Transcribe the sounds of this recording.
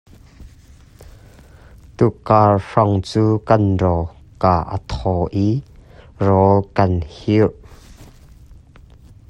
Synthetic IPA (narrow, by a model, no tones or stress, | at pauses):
t̪ukaːrʂɔŋt͡suːkɐnrɔ | kaʔə̰t̪ʰɔʔi | rɔlkɐnhiʔ